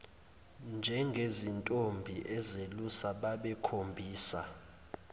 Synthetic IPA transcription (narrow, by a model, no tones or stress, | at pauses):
nd͡ʒʱɛŋɡʱezintʼombʱiʔɛzelusaɓaɓɛkʰombʱiːsa̰